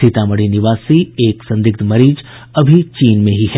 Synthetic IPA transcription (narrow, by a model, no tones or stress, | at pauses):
ɪt̪amɐɽinɪʋaːsieːksɐ̃nd̪ɪk̚t̪mɐɾiːd͡ʒ | ɐbʱit͡ʃiːnmẽɦiɦɛ